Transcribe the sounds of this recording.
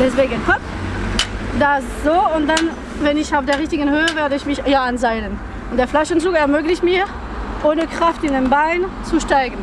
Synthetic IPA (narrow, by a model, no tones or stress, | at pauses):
d̥ɛsv̥eːɡənhɔp | d̥asz̥oːʊnt̚d̥an | vɛnɪçaʊfd̥eːɐʁɪçtɪɡənhøːəveːɐdəɪçmɪçjaanzaɪlən | ʊntd̥eːɐflaʃənt͡suːkɛɐmøːɡlɪçmiː | ʔoːnəkʁ̥aftɪnanbaɪnt͡suʃtaɪɡən̩